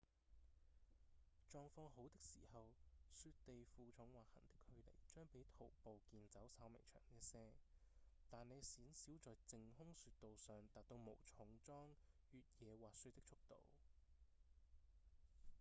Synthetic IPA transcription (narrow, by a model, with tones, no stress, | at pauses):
t͡ʃɔː˧ŋfɔː˧ɦo˨˥wt̪ɪ˥k̚siː˨˩hɐ˨wsyː˧t̚t̪e˨jfuː˨t͡ʃʰʊ˨˥ŋwaː˨hɐ̰˨˩nt̪ɪ̥˥khɵ˨˧ɥlḛ˨˩jt͡ʃœː˥ŋpe˨˥jt̪ʰo˨˩wpo˨wkiː˨nt͡sɐ˨˥wsaː˧wmɪ̰˨˩ŋt͡ʃʰœ̰ː˨˩ŋniː˥sɛː˥ | t̪aː˨nːe˨˧jsiː˨˥nsiː˨˥wt͡sɔː˨jt͡sɪ˨ŋhʊ˥ŋsyː˧t̚t̪o˨wsœː˨˧ŋt̪aː˨t̚t̪o˧wmo˨˩wt͡ʃʰʊ˨˥ŋt͡sɔː˥ŋ | jyː˨t̚jɛː˨˧waː˨tsy˥t̪ɪ˥k̚t͡ʃʰʊ˥k̚t̪o̰˨w